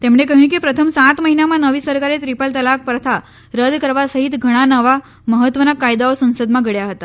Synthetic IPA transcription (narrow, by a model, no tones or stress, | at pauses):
t̪emɳ̃ek̬əɦjũkepɾət̪ʰəmsat̪məɦinamãnəʋisəɾkaɾet̪ɾipəlt̪əlak̚pɾət̪ʰa | ɾəd̪kəɾʋasəɦit̪ɡʱəɽ̃anəʋa | məɦət̪ʋənakajd̪aosə̃nsəd̪mãɡʱəɽjaɦət̪a